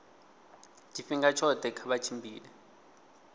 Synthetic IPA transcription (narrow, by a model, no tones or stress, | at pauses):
d̥ʱifiŋɡat͡ʃʰɔd̥ʱɛkʰaɓat͡ʃʰimbʱiːlɛ